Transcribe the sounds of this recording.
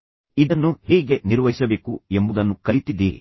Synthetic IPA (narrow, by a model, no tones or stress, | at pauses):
id̪ɐnːuhiːɡe̞niɾʋɐɦisɐbe̞ːkue̞mbud̪ɐnːukɐlit̪id̪iːɾi